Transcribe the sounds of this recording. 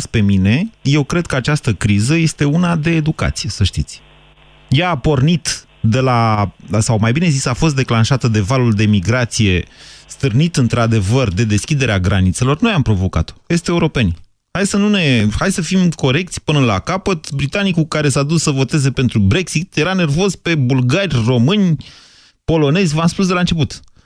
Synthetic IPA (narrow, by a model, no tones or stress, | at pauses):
spe̞mine̞je̞wkɾe̞d̪̚kəat͡ʃast̪əkɾizəje̞st̪e̞unad̪e̞ːd̪uka̰t̪si̥je̞səʃt̪it̪sʲ | jaːpo̞rnit̪ | d̪e̞lasawmajbine̞zisafo̞st̪d̪e̞klanʃat̪əd̪e̞valuld̪e̞miɡɾat̪sije̞st̪ɨrnit̪ɨnt̪ɾad̪e̞vərd̪e̞d̪e̞skʲid̪e̞ɾeaɡɾanit̪se̞lo̞rno̞jampɾo̞vo̞ka̰t̪oest̪e̞uɾo̞pe̞nʲ | hajsənune̞hajsəfimko̞ɾe̞k̚t̪sʲpɨnəla̰kapət̪bɾit̪anikukaɾe̞sad̪ussəvo̞t̪e̞ze̞pe̞nt̪ɾubɾe̞ksit̪je̞ɾane̞rvo̞zpe̞bulɡarʲro̞mɨnʲ | po̞lo̞ne̞zʲvamspusd̪elant͡ʃe̞p̬ut̪